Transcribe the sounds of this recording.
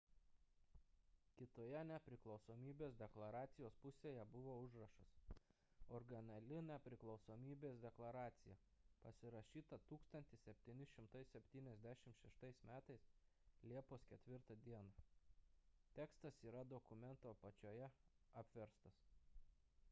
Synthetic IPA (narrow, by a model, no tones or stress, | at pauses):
kʲɪt̪oːjɛnʲɛpʲɾʲɪklˠɒʊsoːmʲiːbʲeːsd̪ʲɛklˠɐɾɑːt̪sʲɪjoːspʊsʲeːjɛbʊʋoːʊʒɾɐʃɐs | ɔɾɡɐnʲɐlʲɪnʲɛpʲɾʲɪklˠɒʊsoːmʲiːbʲeːsd̪ʲɛklˠɐɾɑːt̪sʲɪjɛ | pɐsʲɪɾɐʃʲiːt̪ɐt̪uːkst̪ɐnʲt̪ʲɪsʲɛpʲt̪ʲiːnʲɪʃʲɪmt̪ɐɪssʲɛpʲt̪ʲiːnʲɛzʲd̪ʲæʃʲɪmtʃʲɛʃt̪ɐɪsmʲæːt̪ɐɪs | lʲiɛposkʲɛt̪ʲʋʲɪɾt̪ɐd̪ʲiɛnɑ | t̪ʲɛkst̪ɐsiːɾɐd̪okʊmʲɛnt̪oːpɐt͡ʃʲoːjɛɐpʲʋʲɛɾst̪ɐs